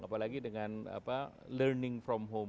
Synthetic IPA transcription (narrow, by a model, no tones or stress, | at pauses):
ʔapalaɡidəŋãna̰pa | lərnɪ̃ŋfɾɔmɦom